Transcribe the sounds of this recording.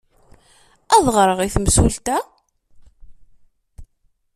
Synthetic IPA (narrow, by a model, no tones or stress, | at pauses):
æðˤʁɾˤəʁiθmsult̪æ